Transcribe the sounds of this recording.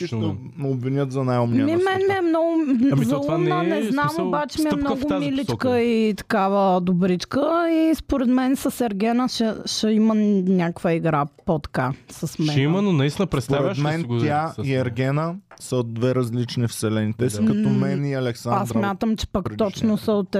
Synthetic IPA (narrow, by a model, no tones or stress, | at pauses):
it̪o | mɛobvinʲət̪zɐnajomnmimɛnmiɛmnɔɡʊmzumnənɛznamobat͡ʃɛmiɛmnɔɡʊmilit͡ʃkəit̪ɐ̥kavəd̪ʊbɾit͡ʃkəispoɾɛd̪mɛnsɐsɛɾɡʲɛnəʃɛʃɛimənʲakvəiɡɾapot̪ɐ̥kasɐsmɛnimɐnonɐist̪ʲinəpɾɛt̪sp̪aɾɛʃmɛnʲaiɛɾɡʲɛnəsɐod̪̚ːvɛɾɐzlit͡ʃnifsɛlɛnit̪ɛsikɐt̪ɔmɛniɐlɛksaasd̪ɾmʲat̪əmt͡ʃɛ̥pak̪ɔt͡ʃnosɐot̪